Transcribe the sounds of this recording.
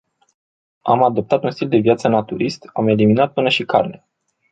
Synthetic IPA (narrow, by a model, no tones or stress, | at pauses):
amad̪o̞p̚t̪at̪unst̪ild̪e̞viat̪sənat̪uɾist̪ame̞liminat̪̚pɨnəʃikʰarne